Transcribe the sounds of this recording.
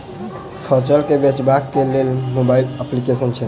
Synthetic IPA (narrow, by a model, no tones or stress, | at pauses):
sʰət͡ʃəɾkebet͡ʃbakːelelmobailəplikesənt͡ʃʰɛ